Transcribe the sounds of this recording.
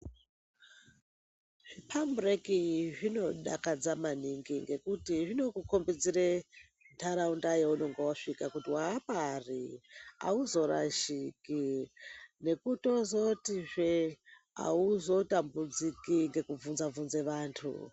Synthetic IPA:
ʐ̥ipʰamburekiʐino̞ɗakad͡zamaniŋɡiŋɡe̞kutiʐino̞kuko̞mbid͡zire | ntʰaɾaundajeunoŋɡewaʂikakutiwaːparia̰uzo̞ɾa̰ʃiki | ne̞kuto̞zotiʐe | a̰uzo̞tambud͡zikiŋɡe̞kuvunzavunze̞ʋaːntʰṵ

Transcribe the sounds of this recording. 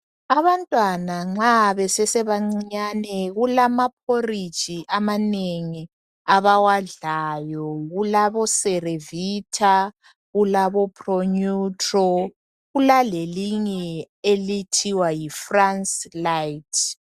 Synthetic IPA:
aβantʼwanaŋ͡ǁaβɛsɛsɛβaŋ͡ǀiɲanɛɣulamapʰori̥t͡ʃʼiʔamaneŋi | aβawaɮajɔɣulaβɔsɛreviːtʰa | ɣulaβɔpʰʼroɲutʰʼrɔ | ɣulaleliɲɛ | elitʰiwajifranslajtʰ

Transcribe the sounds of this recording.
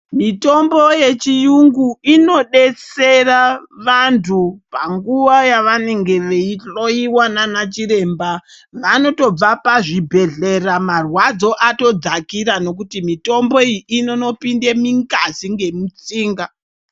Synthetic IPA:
mito̞mbo̞je̞t͡ʃijuŋɡuino̞ɗe̞t͡seraʋantʰupaŋɡuʋajaʋane̞ŋɡe̞ʋeiɬo̞iwananat͡ʃiɾe̞ːmba | ʋano̞to̞b͡vapaʐibʱe̞ɮe̞ramarwad͡zo̞ʔato̞d͡zakiɾano̞k̬utimito̞mbo̞ijiʔino̞no̞pindemiŋɡaziŋɡe̞mut͡siːŋɡa

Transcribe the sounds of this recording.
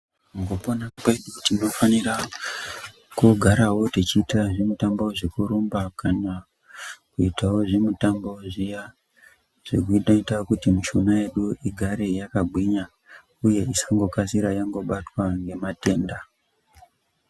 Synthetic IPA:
ŋɡoponapaiɗukutino̞fanira | kuɡʱaɾawo̞tet͡ʃiːtaʐemutambo̞ʐekuɾumbakana | kuitawo̞ʐemutambo̞ʐija | ʐ̥ekuiɗaitakutimuʃunaje̞ɗuiɡʱaɾe̞jakabʱwiɲa | uje̞isaŋɡo̞kasiɾajaŋɡo̞ɓatwaŋɡe̞mate̞ːnda

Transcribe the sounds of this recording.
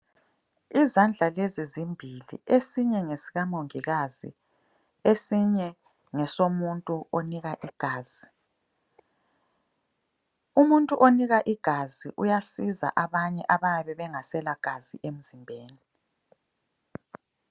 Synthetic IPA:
izand͡ɮʱalezizimbʱilḭesiɲɛŋesiɣamoŋiɣazḭ | esiɲɛ | ŋɛsomuntʼuoniɣaʔiɡ̥ʱaːz̥i | umuntʼuʔoniɣaʔiɡ̥ʱaziʔujasiza̰ʔaβaɲɛʔaβajaβɛβɛŋasɛlaɡ̥ʱazḭʔem̩zimbʱeːni

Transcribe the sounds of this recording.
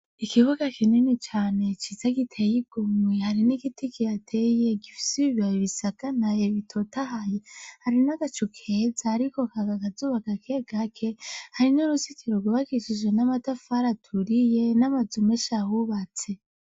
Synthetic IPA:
ikʰiβuɡakʰininit͡ʃaːne̞t͡ʃizaɡitʰejiɡ̥omwehaɾiniɡitikʰijatʰe̞je̞ɡifi̥siiβiajoβisaɡ̥anajeβitʰotahajehaɾinaɡ̥at͡ʃukʰezaːɾiko̞kaɡakazuβakakʰeɡakʰe̞haɾinoɾusikʰiɾoɡuβakiʃiʒenamatafaɾatʰuɾije̞namazumeʃahuβat͡se̞

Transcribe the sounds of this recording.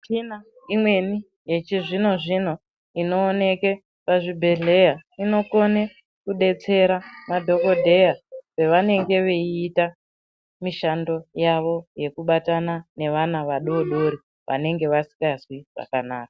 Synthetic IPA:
t͡ʃina | imwe̞ni | je̞t͡ʃiʐino̞ʐin̤o̞ | ino̞ːne̞ke | paʐibʱe̞ɮe̞jaino̞kone | kuɗe̞t͡se̞ɾamadʱo̞ko̞dʱe̞jaʋe̞ʋane̞ŋɡe̞ʋeiːta | miʃando̞jaʋo̞je̞kuɓatanane̞ʋanaʋaɗo̞ɗo̞ɾi | ʋʔa̰ne̞ŋɡe̞ʋasi̥kasiʐa̰kanaːkḁ

